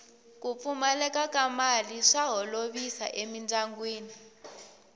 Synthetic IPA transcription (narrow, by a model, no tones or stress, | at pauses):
kup̪fumalɛkʼakamaliʂaɦɔloβisa̰ʔemind͡zaŋɡweːni